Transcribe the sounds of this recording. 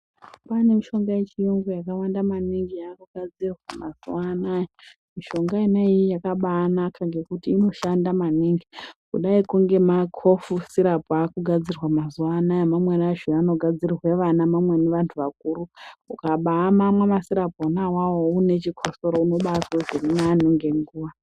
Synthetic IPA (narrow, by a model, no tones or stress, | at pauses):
pane̞miʃo̞ŋɡajet͡ʃijoŋɡojakawandamaniŋɡijakuɡʱad͡zirwamaz̥uwanajo | miʃo̞ŋɡainaijijakaɓaːnakʰaŋɡe̞kutiːno̞ʃandamaniŋɡikuɗaikuŋɡe̞makʰo̞fusiɾapʰoakuɡʱad͡zirwamazuanajomamwenaʒiano̞ɡʱad͡zirrwe̞ʋanamamwe̞neʋantʰuʋak̚uːɾuukaɓaːmamwemasiɾaponawawoune̞t͡ʃikʰosoɾouno̞ɓasoʐirinanuŋɡe̞ŋɡuːʋa